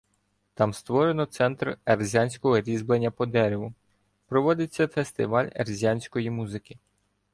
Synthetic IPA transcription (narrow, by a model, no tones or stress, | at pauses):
t̪ɑmst̪ʋɔɾe̞nɔt̪sɛnt̪rerzʲanʲsʲkɔɦɔɾʲizblˠenʲːɐpɔd̪ɛɾeʋʊ | pɾɔʋɔd̪ɪt͡sʲːɐfest̪ɪʋɑlʲḛrzʲanʲsʲkɔjimuzɪkʲɪ